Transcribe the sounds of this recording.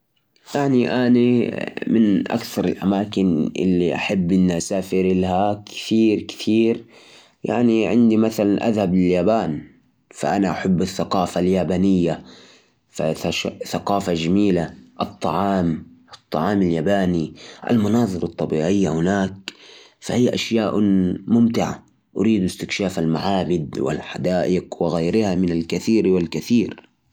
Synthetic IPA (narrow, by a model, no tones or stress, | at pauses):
jaʕniʔanimɪnʔa̰kθɑɾˤɪ̰lʔa̰maːkɪnʔɪ̰lːiʔa̰ħabːʔɪnːiʔasaːfɪɾɪlhakɪ̥t̪iːɾkɪ̥t̪ʰiːɾ | ja̰ʕniʕɪnd̪imaθalanʔa̰ðhablɪljaːbaːn | fa̰ʔanaʔaħabːɪθːaqɑːfaljaːbaːnɪjːa | fa̰aʃθaqɑːfaʒamiːlaʔɨt̪ˤːɑ̰ʕɑːmʔt̪ˤːɑ̰ʕɑːmaljaːbaːniʔa̰lmɑnɑːðˤɨɾɑt̪ˤːɑbḭːʕɪjːahʊnaːk̚ | fahijːʔaʃjaːʔmʊmt̪ɪʕa̰ | ʔʊɾiːd̪ʔɪst̪ɪkʃaːfalma̰ʕaːbɪd̪wɪ̰lħad̪aːʔɪqwɪɣajɾɪhamɪnalkaθiːɾwɪlkaθiːɾ